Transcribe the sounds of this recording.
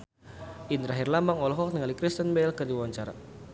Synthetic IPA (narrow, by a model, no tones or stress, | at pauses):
ʔind̪əɾaɦirlamaŋɔlɔɦɔk̚nəŋalikɾist̪ənbɛlkɨrdiwaɲt͡ʃaɾa